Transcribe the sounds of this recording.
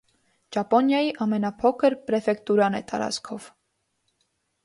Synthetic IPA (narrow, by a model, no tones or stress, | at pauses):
d͡ʒɑpɔnjɑjiʔɑmɛnɑpʰɔkʰəɾpɾɛfɛkt̪uɾɑnɛ̰t̪ɑ̰ɾɑ̰t͡skʰɔv̥